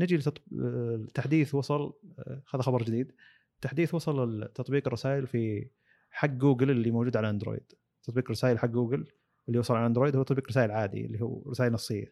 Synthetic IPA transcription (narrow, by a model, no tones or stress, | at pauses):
nɪd͡ʒilt̪t̪ˤ | t̪ːaħd̪iːθwɑsˤɑlhaːðaxɑbɑɾˤd͡ʒɪd̪iːd̪ | t̪ːaħd̪iːθwɑsˤɑlɪlt̪ːɑt̪ˤbiːqrˤːɑsaːʔɪlfi | ħaɡːuːɡɪlɪlːimoːd͡ʒuːd̪ʕalaʔand̪ɾo̰ːjd̪̥ | t̪ːɑt̪ˤbiːqɾˤɑsaːjɪlħaɡːuːɡɪl | ɪlːiwɑsˤɑlʕalʔand̪ɾoːjd̪huːt̪ɑt̪ˤbiːqɾɪsaːʔɪlʕaːd̪ḭɪ̰lːihṵːɾɪsaːjɪlnɑsˤːɪjːa